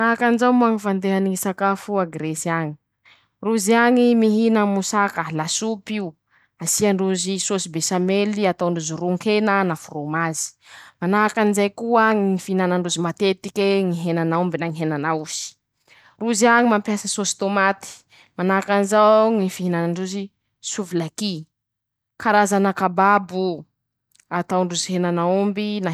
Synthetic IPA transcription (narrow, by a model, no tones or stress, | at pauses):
naakanzawmuaŋifand̪eɦaniŋisakafuaɡɾesiaŋi | ruziaŋimiɦinaŋmusakəlasupiu | asiaɳɖ͡ʐuzisosibesameliat̪awɳɖ͡ʐuzuɾuŋkʰenənafurumazi̥ | manaɦakanizajkuəŋiifiinanaɳɖ͡ʐuzimat̪et̪ikʲeŋiɦenanaumbinaŋiɦenanauz̥i̥ | ruziaɲimampjasasosi̥t̪omat̪i̥ | manakanzawŋifiɦinanaɳɖ͡ʐuzi | suvilaki | kʰaɾazanakababu | at̪awɳɖ͡ʐuziɦenanaumbina